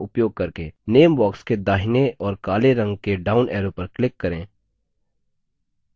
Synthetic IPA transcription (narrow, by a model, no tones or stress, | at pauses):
ʊpjoːɡ̚kɐɾkeneːmbɔːksked̪aːɦɪneʔɔːɾkaːleɾɐ̃ŋɡkeɖaːʊnɛːɾõpɐɾklɪkːɐɾẽː